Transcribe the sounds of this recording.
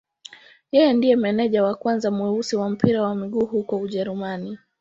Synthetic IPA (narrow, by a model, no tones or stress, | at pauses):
jɛjɛndijɛmɛnɛʄawakwanzamwɛusiwam̩piɾawamiɠuːɦukɔuʄɛɾumani